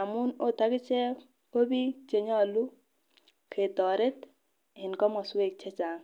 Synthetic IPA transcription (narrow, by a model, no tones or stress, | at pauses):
amunot̪ʰaɡit͡ʃɛ | obit͡ʃeɲɔlu | kʰet̪ɔɾet̪ | ɦinkɔmɔsuek̚t͡ʃʰɛt͡ʃaːŋ